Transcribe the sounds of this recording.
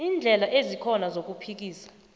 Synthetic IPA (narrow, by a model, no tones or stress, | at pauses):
iːnd͡ɮʱɛlaʔezikʰɔnazok̬upʰik̬iːsḁ